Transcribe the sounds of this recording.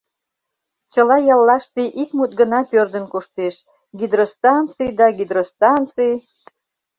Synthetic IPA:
t͡ɕəlɑjɑlːɑʃt̪eʔikmut̪̚ɡənɑpørd̪ənkuʃt̪eʃ | ɡid̪ɾost̪ɑnt͡sɨjd̪ɑɡid̪ɾost̪ɑnt͡sij

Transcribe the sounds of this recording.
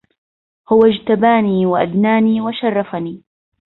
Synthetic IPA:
hʊwad͡ʒt̪abaːniːwaʔad̪naːniːwaʃɑrˤːɑfaniː

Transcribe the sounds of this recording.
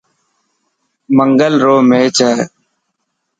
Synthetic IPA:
məŋɡəlɾoːmeːt͡ʃaː

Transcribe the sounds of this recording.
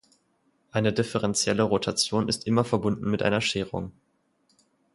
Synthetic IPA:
ʔaɪnədɪfəʁɛnt͡sjɛləʁotʰat͡sjoːnɪstʔɪmɐfɛɐbʊndn̩mɪtʔa̰ɪnɐʃeːʁʊ̰ŋ

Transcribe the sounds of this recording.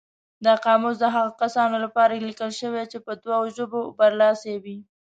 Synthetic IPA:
d̪əqɑmʊz̬d̪əɦaɣakasɑnolapɑɾalikəlʃəwet͡ʃepəd̪waoʒobobaɾlɑsewi

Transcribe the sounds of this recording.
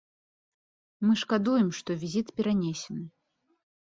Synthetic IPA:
mɨʂkad̪ujɛmʂt̪ɔvʲizʲit̪pʲɛɾanʲesʲɛnɨ

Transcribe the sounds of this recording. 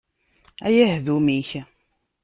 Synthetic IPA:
æjæhðumiç

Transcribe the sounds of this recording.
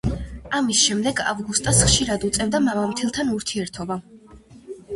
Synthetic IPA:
amisʃɛmd̪ɛɡa̰vɡust̪ʼɔsχʃiɾad̪ut̪sʼɛvd̪amavamt̪ʰilˠt̪ʰanuɾt̪ʰiɛɾt̪ʰɔba

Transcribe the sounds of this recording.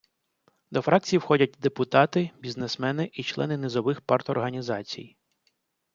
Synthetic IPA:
d̪ɔfɾɑk̚t͡sʲijiwxɔdʲɐt̚ʲd̪epʊt̪ɑt̪ɪbʲiznesmɛnɪʔit͡ʃlˠɛ̰nɪnɪzɔʋɪxpart̪ɔrɦɐnʲizɑt͡sʲḭj

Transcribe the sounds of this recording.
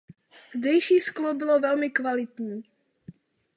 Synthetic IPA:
zdɛjʃiːsklobɪlovɛlmɪkvalɪt̪ɲiː

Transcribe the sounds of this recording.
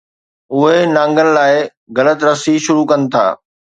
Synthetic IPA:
ʊɦenãːŋɡənɪ̆laːɪ | ɣɐlət̪ɾɐsiʃʊɾukɐnɪ̆t̪ʰa̰ː

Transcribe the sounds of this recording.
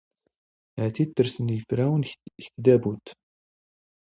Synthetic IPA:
hæt̪it̪ːəɾsənjəfɾæwənçt̪d̪æbut̪

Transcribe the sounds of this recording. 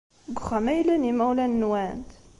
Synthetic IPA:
ɡʷχæmæjlænimæwlænːwænt̪

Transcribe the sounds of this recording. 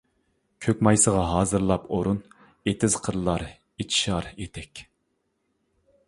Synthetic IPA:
kʲʰøkʲmɑjsəʁɑɦɑːzɨɾlˠɑpoɾun | et̪ʰɪz̥qʰəɾlˠɑɾ | et͡ʃ̪ʰi̥ʃɑɾet̪ʰɛkʲ

